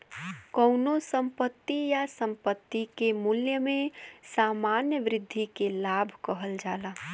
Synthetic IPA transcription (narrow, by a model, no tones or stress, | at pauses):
kəʊnosə̃mpət̪ːijasə̃mpət̪ːikemuljəmẽsaːmaːnjəʋɾɪd̪ʱːikelaːbʱkəɦəld͡ʒaːlaː